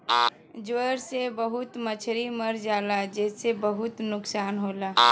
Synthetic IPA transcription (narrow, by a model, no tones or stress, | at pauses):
d͡ʒʋəɾsebəɦut̪mət͡ʃʰɾiməɾd͡ʒaːlad͡ʒesebəɦut̪nʊksaːnɦola